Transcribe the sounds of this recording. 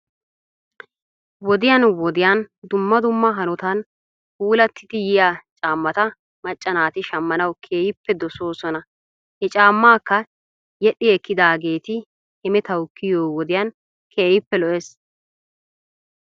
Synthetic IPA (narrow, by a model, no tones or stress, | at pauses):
wɔd̪ɪjɐnwɔd̪ɪjand̪ʊmːɐd̪ʊmːɐɦɐnɔt̪ɐn | huːlɐt̪ʰːɪt̪ɪjɪjaːt͡ʃʼaːmːɐt̪ɐ | mɐt͡ʃʼːɐnaːt̪ɪʃɐmːɐnɐwkʰeːjɪpːɛd̪ɔso̞ːsɔnɐ | hɛt͡ʃʼaːmːaːkːɐ | jɛɗːɪɛkːɪd̪aːɡeːt̪ɪ | hɛmɛt̪ɐwkːɪjoːwɔd̪ɪjan | kʰeːjɪpːɛlɔʔes